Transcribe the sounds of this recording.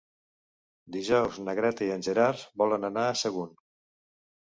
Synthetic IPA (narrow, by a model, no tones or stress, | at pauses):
d̪iʒɔwznəɣɾɛt̪əiənʲʒəɾarzbɔlənənaəsəɣun